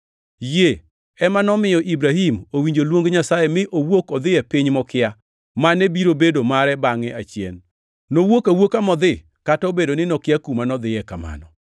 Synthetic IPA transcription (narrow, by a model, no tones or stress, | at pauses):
je | ɛmanɔmɪjɔʔibɾaɦimowiɲd͡ʒolwoŋɡɲasajemɪʔowokɔd̪ɪjɛpiɲmɔkɪa | manebiɾobedomaɾɛbaŋɛat͡ʃjɛ̰nː | owokawokamɔd̪ɪ | katobedonɪnɔkɪjakumanɔd̪ɪjɛkama̰nɔ